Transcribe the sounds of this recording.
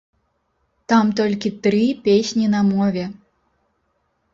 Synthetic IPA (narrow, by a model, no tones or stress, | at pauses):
t̪ɑmt̪olʲkʲit̪ɾipʲesʲnʲinɐmovʲe